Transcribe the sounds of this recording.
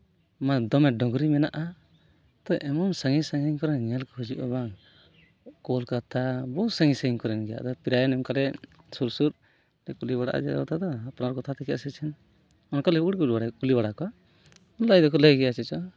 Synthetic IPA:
mad̪ɔmɛɖɔɡɾimɛnaʔa | t̪ɔʔɛmɔmsəŋisəŋiŋkɔɾɛnɲɛlkɔhud͡ʒuʔɔbaŋ | kɔlkat̪ʰabɔwsəŋisaiŋkɔɾɛnɡɛja̰ʔd̪ɔpiɾajanɛmkalɛ | suɾsuɾ | ɾɛkulibaɽa̰ʔa̰d͡ʒɛɔt̪ʰad̪ɔapnaɾɔkɔt̪ʰat̪ɛkɛa̰sɛt͡ʃʰɛn | ɔnkalɛuɽkulibaɽakulibaɽakɔa | ɔnlajd̪ɔkɔləjɡɛjat͡ʃʰɛt͡ʃɔ

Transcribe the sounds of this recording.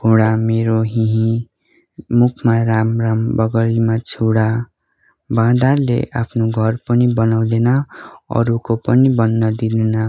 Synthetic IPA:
bʱuɽameɾoɦĩɦĩ | mukʰmaɾamrambʌɡʌlimat͡sʰuɽa | bãd̪arlḛʔapʰnoɡʱʌrpʌnibʌnaw̃d̪enʌʌ̰ɾukopʌnibʌnːʌd̪id̪enʌ

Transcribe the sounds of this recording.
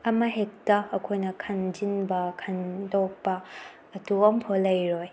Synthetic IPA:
ɐmɐɦek̚tɐːkʰojnɐkʰɐnd͡ʒinbɐkʰɐndok̚pɐː | tuompʰolːɐjɾoj

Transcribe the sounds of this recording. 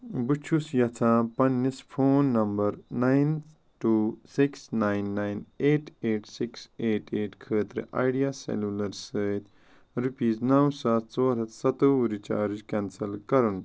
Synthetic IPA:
but͡ʃʰusjɐt͡s̪ʰãːpɐnːispʰoːnːɐmbɐɾnajn | ʈuːsiksnajnːajneːʈeːʈsikseːʈeːʈkʰəːt̪ɾɨ̰ʔa̰ːjɖijasḛlulɐɾsəːt̪ | ɾupiːznɐwsaːt̪t͡soːɾɐt̪ʰsɐt̪uuɾit͡ʃa̰ːɾid͡ʒkɛnsɐlkɐɾun

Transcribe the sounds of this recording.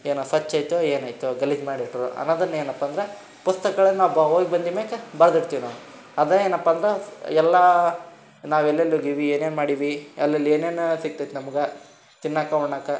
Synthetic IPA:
eːnusɐt͡ʃːɐjt̪ueːnɐjt̪uɡɐlid͡ʒmaːɽiʈɾuɐ̰nːoːd̪ɐnːeːnɐpːɐnd̪ɾe | pust̪ɐkɐɡɐɭɐnnaːʋbɐɦoːɡibɐnd̪imeːkɐbɐɾɐd̪iɽt̪iːno | ɐd̪eeːnɐpːɐːnd̪ɾeɛlːɐ | naːʋɛlːɐlːuɡiʋieːneːnmaːɽiʋiɛlːɐlːieːneːnusik̚t̪ɐjt̪nɐmuɡɐ | t͡ʃinːakɐuɭɳaːkɐ

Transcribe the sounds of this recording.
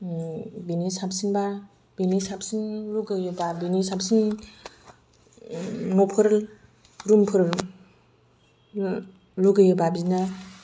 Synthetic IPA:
binisap̚sinba | binisapsinluɡɯjubabinisapsin | nɔpʰɯɾɯl | ɾumpʰɯɾɯl | luɡɯjubabina

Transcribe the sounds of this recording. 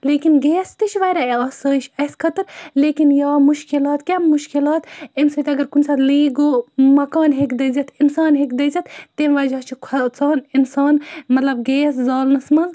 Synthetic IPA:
leːkinɡeːst̪it͡ʃʰʋɐɾaɐsəːʃɐskʰɐt̪ɨɾleːkinjaːmuʃkilaːt̪kʲemuʃkilɑːt̪emsət̪ɐɡɐɾkunsat̪liːɡoːmɐkaːnɦekd̪ɐzɐt̪ʰinsaːnɦekd̪ɐzɐt̪t̪emʋɐd͡ʒaːt͡ʃʰikʰɐt͡saːninsaːnmɐt̪lɐbɡeːszaːlnɐsmɐ

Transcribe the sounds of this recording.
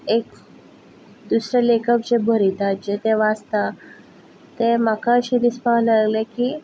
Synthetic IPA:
ek | d̪usɾelekəp̚d͡ʑebʱəɾit̪at̪̚d͡ʑet̪eʋast̪a | t̪emakaəɕid̪ispaɦlaaɡlekiː

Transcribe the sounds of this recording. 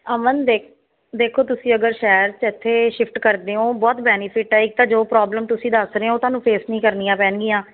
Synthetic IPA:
əmənd̪eːk | d̪eːkʰoːt̪ʊsĩːəɡəɾʃɛːɾt͡ʃɪt̪ʰːeːʃɪpʰʈkəɾd̪eːɦõːbɔːt̪bɛːnɪpʰɪʈɛːɪk̚t̪ãːd͡ʒoːpɾɔːbləmt̪ʊsĩːd̪əsɾeːõːt̪ʊaːnũːpʰeːsnĩːkəɾnijãːpɛːnɡɪjãː

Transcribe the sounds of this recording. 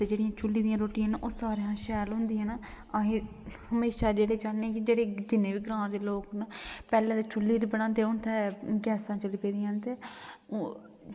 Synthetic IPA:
t̪eːd͡ʒeːɽɪjãːt͡ʃʊlːiːd̪ijãːɾoːʈijãːnaːʔoːsaːɾeːɦãːʃɛːlɦʊ̃nd̪iːɦãːnaː | əɦẽː | həmeːʃaːd͡ʒeːɽeːt͡ʃaːnẽkid͡ʒeːɽeːd͡ʒɪnːẽːʋiːɡɾãːd̪eːloːknapɛːlɛ̃ːd̪eːt͡ʃʊlːiːɾbəɽ̃ãːnd̪eːʊɳt̪ʰɛːɡɛːsãːt͡ʃəliːpeːd̪ijãːnt̪eː

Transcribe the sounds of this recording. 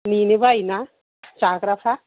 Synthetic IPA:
ninibajna | t͡ʃakɾapʰa

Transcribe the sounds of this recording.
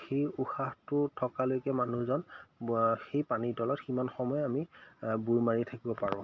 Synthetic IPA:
xejuxaxtʊtʰɔkalojkɛmanuzɔn | xejpanidɔlɔtximanxɔmɔjɛamibujmaɹitʰakibɔpaɹʊ̃

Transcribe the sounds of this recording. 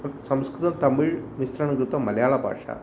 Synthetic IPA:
sɐmskɾut̪ɐmt̪ɐmiːɭmisɾɐɳɐɡɾut̪ʋɐmːɐljaːɭɐbʱa̰ːʂa̰ː

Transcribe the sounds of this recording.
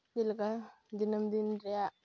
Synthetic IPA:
ilka | dinamd̪inɾia

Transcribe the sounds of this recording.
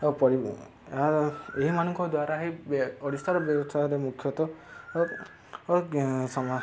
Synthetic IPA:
opɔɾi | aeɦimanɔŋkʰɔd̪waɾaɦibɔɽist̪ʰaɾɔbjɔbɔst̪ʰaɾemukʰjɔt̪ɔ | sɔma

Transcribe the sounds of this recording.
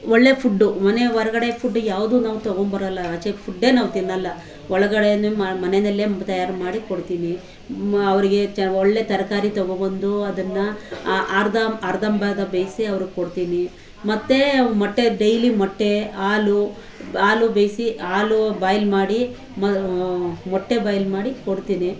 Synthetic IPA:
ɔɭːe̞pʰuɖːumɐne̞ʋɐɾɐɡɐɽe̞pʰuɖːujaːʋud̪uːnaːʋut̪ɐɡombɐɾɐlːɐːt͡ʃepʰuɖːe̞ːnaːʋut̪inːɐlːɐ | ɔɭɐɡɐɽenamɐnenɐlːet̪ɐjaːɾmaːɽikoɽt̪iːni | ɐʋɐɾiɡe̞t͡ʃɔɭːe̞t̪ɐɾɐkaːɾit̪ɐɡobɐnd̪uɐd̪ɐnːɐʔaːɾd̪aaːɾd̪ɐmbaːd̪ɐbejsiɐʋɐɾuɡekoɽt̪iːni | mɐt̪ːe̞mɔʈːeɖejlimɔʈːe̞aːlu | aːlubejsiaːlubaːjlmaːɽi | mɐ | mɔʈːe̞bɐːjlmaːɽikoɽt̪iːni

